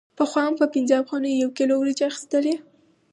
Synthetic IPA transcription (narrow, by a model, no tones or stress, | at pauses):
pəxwɑampəpɪnzəafxɑnijawkelowɾid͡ʒeaxi̥st̪əle